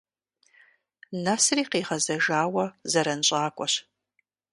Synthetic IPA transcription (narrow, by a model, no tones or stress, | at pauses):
nasriːqeːʁɐzɐʒaːwɐzɐɾɐnɕʼaːkʷʼɔɕ